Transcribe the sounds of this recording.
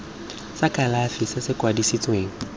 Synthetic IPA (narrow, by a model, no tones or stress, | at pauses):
sakʼalafɪsɪsɪkʼwadisit͡sʼweːŋ̩